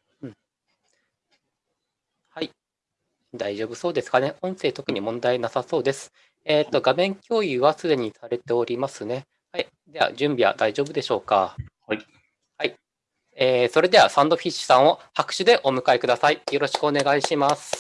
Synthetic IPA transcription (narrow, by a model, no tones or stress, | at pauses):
ɯ̟̃ | hai | d̪aiʑo̞ːbɯ̟so̞ːd̪esɨ̥kane̞ʔõɰ̃se̞ːt̪o̞kɯ̟ɲ̟imõ̞nd̪ainasaso̞ːd̪e̞sɨ̥ | eːt̪ːo̞ɡamẽ̞ŋkʲo̞ːjɯβasɨd̪e̞ɲ̟isaɾe̞t̪e̞o̞ɾʲimasɨne̞ | hai | d̪e̞βa̰ʑɨ̃mbʲiβa̰d̪aiʑo̞ːbɯ̟d̪e̞ɕo̞ːka | hai | eːso̞ɾe̞d̪e̞βasãnd̪o̞ɸʲiɕːɨ̥sãɰ̃o̞hakɯ̟̥ɕɨd̪e̞ʔo̞mɯ̟kaekɯ̟d̪asaijo̞ɾo̞ɕi̥kɯ̟o̞ne̞ɡaiɕimasɨ̥